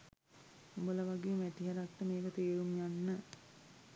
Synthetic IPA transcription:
ubələʋaɡeːmæʈiɦəɾakʈəmeːkət̪eːɾumjanːə

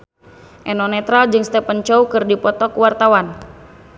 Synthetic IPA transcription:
ʔɛnɔnɛt̪ɾald͡ʒɨŋst̪ɛpant͡ʃɔukɨrdipɔt̪ɔkuwart̪awan

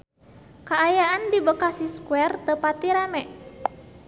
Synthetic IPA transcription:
kaːjaʔandibəkasiskwɛrt̪əpat̪iɾamɛ

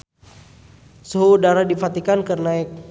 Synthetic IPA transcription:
səɦuːdaɾadifat̪ikankərnaik̚

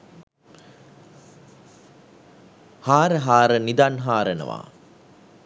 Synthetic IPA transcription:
haːɾəɦaːɾənid̪anɦaːɾənə̰ʋa̰ː

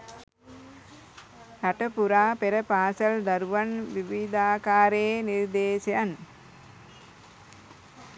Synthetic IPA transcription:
ɾɐʈɐpuɾaːpeɾɐpaːsɐld̪ɐɾuʋɐnʋiʋid̪aːkaːɾeniɾd̪eːsɐjan

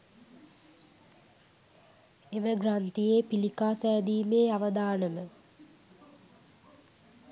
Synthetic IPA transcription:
eməɡrant̪ijeːpilikaːsɛːd̪iːmeːaʋəd̪aːnəmə

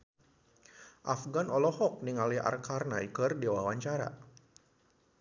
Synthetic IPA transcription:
ʔafɡanɔlɔhɔk̚niŋalia̰rkarnajkərdiwawaɲt͡ʃaɾa̰

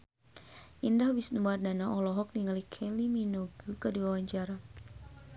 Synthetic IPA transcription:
ʔindahbisnumardanaʔɔlɔɦɔk̚niŋalikʰɛliminoɡukəduawaɲd͡ʒaɾa

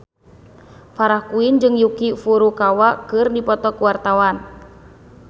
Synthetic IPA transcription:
faɾahkuind͡ʒɨŋjukifuɾukawaʔkɨrdipɔt̪ɔkuwart̪awan

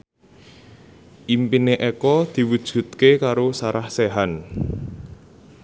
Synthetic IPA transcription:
ʔimpineʔekɔd̪̥i̤wud̥ʒ̥ṳt̪̚kekaɾosaɾʔahseɦan

